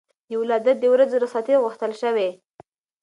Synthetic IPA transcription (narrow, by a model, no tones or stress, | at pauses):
jawlɑd̪at̪̚d̪əwɾad͡zoɾɑsɑt̪eɣʊxt̪əlʃəwe